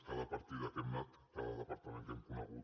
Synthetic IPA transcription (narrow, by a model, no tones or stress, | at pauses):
kaðapaɾt̪iðaʔemːat̪kaðaðepaɾt̪ament̪eŋkunaɣu